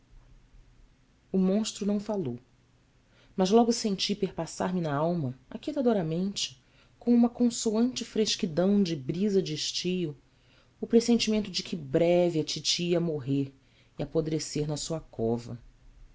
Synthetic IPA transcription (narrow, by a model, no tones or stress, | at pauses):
ʊmõʃt̪ɾʊnɐ̃w̃falow | mɐzlɔɡʊsẽnt͡ʃipeɾpasa̰ɾmɪnɐawmɐakit̪ad̪oɾɐmẽnt͡ʃɪ̥ | kõũmɐkõsoɐ̃nt͡ʃɪfɾeʃkid̪ɐ̃w̃d͡ʒɪbɾizɐd͡ʒiʃt͡ʃijʊː | pɾesẽnt͡ʃimẽnt̪ʊd͡ʒɪkʰɪbɾɛvɪɐt͡ʃit͡ʃiɐmoɦeɾ | iapod̪ɾeseɾnɐsuɐkʰɔvɐ̰